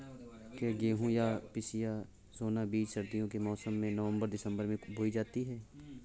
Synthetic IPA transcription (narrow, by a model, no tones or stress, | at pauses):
kjaɡeːɦũjapɪsija | zoːnabiːt͡ʃʃɐɾd̪ijõkemɔːsəmːẽnəʋə̃mbəɾd̪ɪsə̃mbəɾmẽbʱoid͡ʒaːt̪iɦɛː